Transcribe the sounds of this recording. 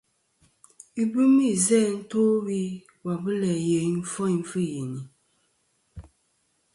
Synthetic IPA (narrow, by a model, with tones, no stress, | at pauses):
i˦bɨ˦mi˦˨zɛ˦n̩˦toː˦wi˦ | wa˨bɨ˦lɛ˨je˨˦n̩˦fɔ˦i˨m˦fɨ˦˨je˨ni˨